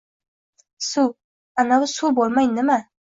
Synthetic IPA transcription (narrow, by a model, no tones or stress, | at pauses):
su | anawʊsubolˠmajnɪma